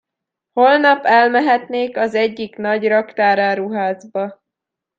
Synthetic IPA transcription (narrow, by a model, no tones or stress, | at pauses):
ho̞lnɒpɛlmɛɦɛt̪neːkɒzɛɟːikn̪ɒɟrɒkt̪aːɾaːɾuɦaːzbɒ